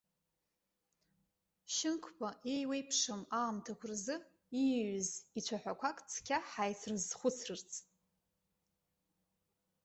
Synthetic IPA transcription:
ʃɪnkʷʰpʰaʔejwejpʰʂɨmaːmtʰakʷʰʊrzɨ | iɥzit͡ɕʷʰaħʷᶣakʷʰakʼt͡sʰkʲʰaħajt͡sʰrɨzχʷʊt͡sʰrɨrt͡sʰʼ

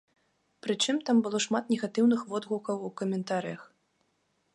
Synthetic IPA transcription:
pɾɨt͡ʂɨmt̪ambɨlˠɔʂmat̪nʲɛɣat̪ɨwnɨxvɔd̪ɣukɐwukɐmʲɛnt̪aɾɨjɐx

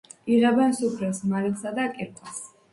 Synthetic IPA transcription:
iʁɛbɛnsupʰɾɛsmaɾɛlsad̪akʼɛɾkʼwas

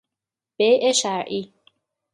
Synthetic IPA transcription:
b̥ejʔeʃæɾʔi

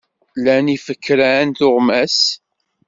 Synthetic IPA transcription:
lænifəkːɾænθʊʁmæs

